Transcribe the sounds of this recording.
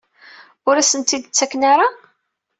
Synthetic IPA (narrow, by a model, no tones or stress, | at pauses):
ʊɾæsənt̪id̪ət͡sːækːnaɾa